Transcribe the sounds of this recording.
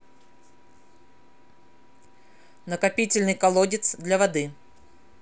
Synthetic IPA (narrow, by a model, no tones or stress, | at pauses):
nəkɐpʲitʲɪlʲnɨjkɐlˠodʲɪt̪sd̪lʲɐvɐd̪ɨ